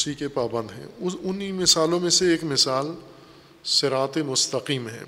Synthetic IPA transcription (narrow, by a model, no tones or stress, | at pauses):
sikepaːbə̃nd̪ɦɛ̰̃ːʊnimɪsaːlõmẽseeːkmɪsaːl | sɪɾaːt̪emʊst̪əqiːmɦɛ̰̃ː